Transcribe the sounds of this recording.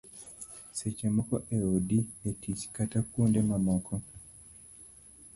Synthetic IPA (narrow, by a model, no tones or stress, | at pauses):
set͡ʃemɔkɔʔeodietit͡ʃkatakwundemamɔkʰɔ